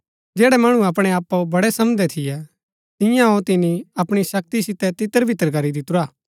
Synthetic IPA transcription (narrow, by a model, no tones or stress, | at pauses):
d͡ʒɛːɽɛmɐɽ̃ũɐpɽ̃ɛaːpːobɐɽɛsɐmd̪ɛt̪ʰɪjɛ | t̪ɪ̃jãɦot̪ɪniɐpɽ̃isɐk̚t̪isɪt̪ɛt̪ɪt̪ːəɾbʱɪt̪ːəɾɡɐɾid̪ɪt̪ʊɾaː